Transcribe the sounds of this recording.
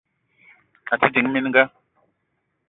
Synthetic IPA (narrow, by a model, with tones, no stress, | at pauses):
a˨ti˦d͡ʒi˨ŋ˦mi˦nŋɡa˦